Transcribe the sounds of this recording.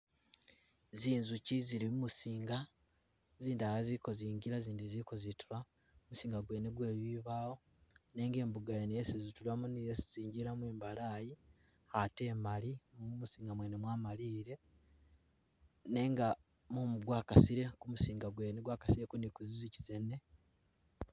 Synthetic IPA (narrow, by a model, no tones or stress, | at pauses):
ziːnzuciziɾimumusiːŋɡa | ziːndialaziko̞ziːɲɟiɾaziːndiziko̞zituɾa | musiːŋɡaɡwe̞ːneɡwe̞ːβiβaːwo̞ | ne̞ŋɡe̞ːmbuɡajenijesizitulamunijesi̥ziːɲɟiɾamweːmbalaji | ate̞ːmaliumusiːŋɡamweːnemwaːmaliːɾe̞ | ne̞ŋɡa | mumɡwaːkasiɾe̞kumusiːŋɡaɡwe̞ːneɡwaːkḁsiɾekunikuzizici̥zene̞